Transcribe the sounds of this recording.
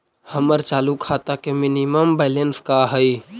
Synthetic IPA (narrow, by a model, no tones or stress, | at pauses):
həməɾt͡ʃaːlukʰaːt̪akemɪnɪməmbɛːlenskaɦəi